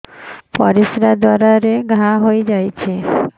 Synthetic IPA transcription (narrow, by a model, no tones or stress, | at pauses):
pɔɾisɾad̪waɾaɾeɡʱaɦojd͡ʒajt͡ɕʰe